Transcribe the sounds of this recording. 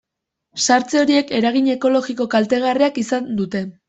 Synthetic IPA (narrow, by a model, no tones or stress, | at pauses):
saɾt͡seo̞ɾie̞ke̞ɾaɣ̞iɲe̞ko̞lo̞ɣiko̞kalt̪e̞ɣ̞ariakisand̪ut̪e̞